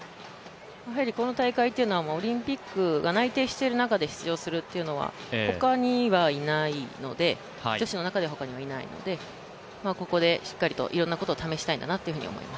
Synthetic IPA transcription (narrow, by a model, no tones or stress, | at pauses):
aɦaɾʲiko̞no̞t̪aikait̪ːeɯ̟no̞βamaoɾʲĩmpʲikːɯ̟ɡanait̪e̞ːɕi̥t̪e̞ɾɯ̟nakad̪e̞çi̥t͡sɨjo̞ːsɨɾɯ̟t̪ːe̞iɯ̟no̞βa̰ho̞kaɲ̟iβainaino̞d̪e̞ | d͡ʑo̞ɕino̞nakad̪e̞ɦo̞kaɲ̟iβainaḭno̞̰d̪e̞ | mako̞ko̞d̪e̞ɕi̥kːaɾʲit̪o̞̰ʔiɾõ̞nːako̞t̪oːt̪ame̞ɕi̥t̪aind̪anat̪ːeɯ̟ɯ̟ɲ̟ḭo̞̰mo̞̰ḭmasɨ̥